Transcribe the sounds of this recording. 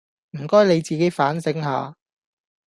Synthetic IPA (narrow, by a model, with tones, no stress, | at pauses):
m̩˨˩kɔː˥jne˨˧jt͡siː˨ke˨˥jfaː˨˥nsɪ˨˥ŋɦaː˨˧